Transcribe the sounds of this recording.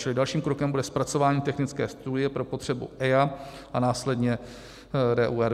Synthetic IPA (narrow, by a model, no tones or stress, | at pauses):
t͡ʃɪlɪdalʃiːmkɾo̞kɛmbudɛspɾat͡so̞vaːɲiːt̪ɛxnɪt͡skɛːst̪udɪjɛpɾo̞po̞t̪r̝̥ɛbṵʔɛja | ʔanaːslɛdɲɛ | ɾɛːʔuːɛɾ